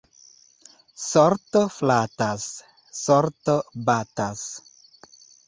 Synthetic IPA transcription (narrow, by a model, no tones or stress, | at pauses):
soɾtoflatasː | oɾtobatas